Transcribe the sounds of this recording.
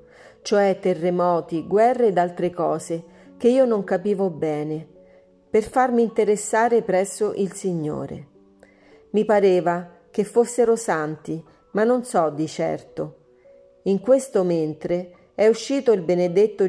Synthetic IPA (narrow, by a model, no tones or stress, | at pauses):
t͡ʃoɛt̪ːerːemɔːt̪iɡwɛrːeːd̪alt̪ɾekɔːze | k̟eiːonoŋkapiːvobɛːne | perfarmiːnt̪eɾesːaːɾepɾɛsːoʔilsiɲːo̰ːɾḛ | mipaɾeːva | k̟efːosːeɾosant̪i | manːonsɔd̪it͡ʃɛ̰rt̪o | iŋkwest̪oment̪ɾe | ɛuʃːiːt̪oilbened̪et̪ːo